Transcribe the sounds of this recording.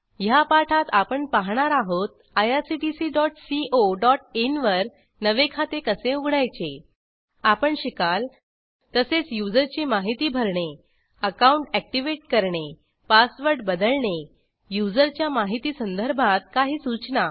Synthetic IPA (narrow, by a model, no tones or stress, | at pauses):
japaʈʰat̪apəɳpaɦɳ̃aɾaɦot̪̚ | ajasiʈisiːɖɔʈsiʔoɖɔʈenʋəɾ | nəʋekʰat̪ekəseuɡʱɽajt͡ɕe | apəɳɕikal | t̪əset͡sjud͡zəɾt͡ɕemaɦit̪iːbʱəɾɳe | əkauɳʈæk̚ʈiʋeʈ̚kəɾɳe | pasʋəɾɽɖbəd̪əlɳe | jud͡zəɾt͡ɕjamaɦit̪iːsənd̪ʱəɾbʱãt̪̚kaɦiːsut͡ɕna